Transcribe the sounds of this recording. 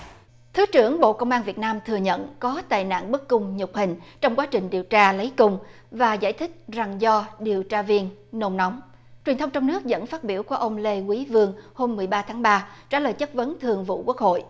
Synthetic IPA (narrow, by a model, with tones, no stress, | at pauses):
t̪ʰɨ˨˦t͡ɕɨ˧˩əŋɓo̰˧˨kə˧wŋ͡mʔaː˧nvi˨˩ət̚naː˧mt̪ʰɨ˨˩əɲə̰˧˨nkɔ˨˦t̪a̰ː˧˨jna̰ː˧˨nɓə˦˥kkʊ˧ŋ͡mɲʊ˨˩k͡p̚hï˨˩ŋ̟t͡ɕɔ˧wŋ͡mkwaː˨˦t͡ɕï˨˩ŋ̟ɗi˨˩əwt͡ɕaː˧lə˨˦jkʊ˧ŋ͡m | vaː˨˩za̰ː˧˩jt̪ʰï˦˥k̟̚za˨˩ŋzɔ˧ɗi˨˩əwt͡ɕaː˧vi˧ənno˧mnɔ˨˦wŋ͡m | t͡ɕwi˨˩ənt̪ʰə˧wŋ͡mt͡ɕɔ˧wŋ͡mnɨ˦˥ək̚zə̰˧˥nfaː˦˥t̚ɓi˧˩əwku˧˩əʔə˧wŋ͡mle˧kwi˨˦vɨ˧əŋho˧mːɨ˨˩əjɓaː˧t̪ʰaː˨˦ŋɓaː˧t͡ɕa̰ː˧˩ləː˨˩jt͡ɕə˦˥t̚və˨˦nt̪ʰɨ˨˩əŋvṵ˧˨ku˦˥ək̚ho̰˧˨jʔ